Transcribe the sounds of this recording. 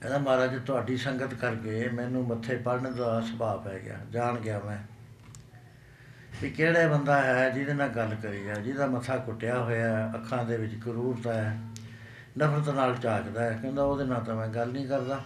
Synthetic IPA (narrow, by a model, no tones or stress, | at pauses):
ɛ̃ːd̪aːmaːɾaːt͡ʃet̪ʊaːɖiːsəŋɡət̪kəɾkeːmɛ̃ːnũːmət̪ʰːeːpəɾɳd̪aːsəpaːpɦɛ̰ːɡɪ̰ja̰ːd͡ʒaːɳɡɪaːmɛ̃ː | piːkeːɽaːbənd̪aːɦɛːd͡ʒiːd̪eːnãːɡəlkəɾiːaːd͡ʒiːd̪aːmət̪ʰaːkʊʈːɪjaːɦoːjaːəkʰːãːd̪eːʋɪt͡ʃkəɾuːɾt̪aːɛː | nəpʰɾət̪naːlt͡ʃaːkd̪aːɦɛːkõːd̪aːoːd̪eːnãːt̪ãːmɛ̃ːɡəlnĩːkəɾd̪aː